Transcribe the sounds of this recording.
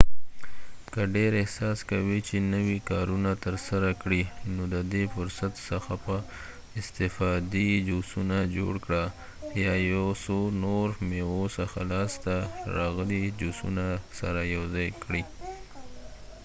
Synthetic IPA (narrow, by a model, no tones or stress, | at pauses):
kəɖeɾɪhsɑskawit͡ʃenəwikɑɾunat̪əɾsaɾakɽinod̪əd̪efʊɾsat̪səxapə | ɪst̪ɪfɑd̪id͡ʒusunad͡ʒo̰ɽkɽa | jɑjawsonoɾmeosəxalɑst̪aɾɑɣəlid͡ʒosṵnasa̰ɾajawzɑjkɽi